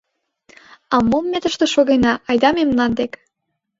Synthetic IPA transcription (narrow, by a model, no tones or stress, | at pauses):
ɑmomːet̪ə̆ʃt̪ĕʃoɣenɑʔɑjd̪ɑmemnɑnd̪ek